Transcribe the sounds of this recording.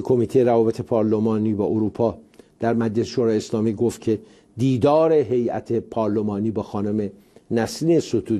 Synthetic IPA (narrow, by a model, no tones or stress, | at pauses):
kʰo̞miːt̪ʰejeɾævɒːbe̞t̪ʰe̞pʰɒːɾlomɒːniːbɒːʔoɾuːpʰɒːd̪̥æɾmæd͡ʒlese̥ʃoɾɒːjeslɒːmiːɡoft̪̚cʰe̞ | d̪iːd̪ɒːɾe̞ɦe̞jæ̰t̪ʰe̞pʰɒːɾlomɒːniːbɒːxɒːnome̞ | næsliesot̪ʰuː